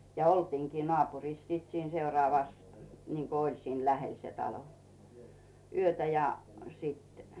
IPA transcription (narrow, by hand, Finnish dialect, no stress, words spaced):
jɑ oltiːŋkiː nŏɑˑpuriːs siˑt siːn seurŏɑˑʋɑs niŋko olʲ siːn læhel se tɑlo yøtæ jɑ siˑt